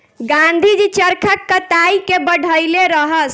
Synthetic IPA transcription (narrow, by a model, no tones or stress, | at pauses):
ɡãnd̪ʱid͡ʒit͡ʃəɾkʰəkːət̪aikebəɽ̤ʱəɪleɾəɦəs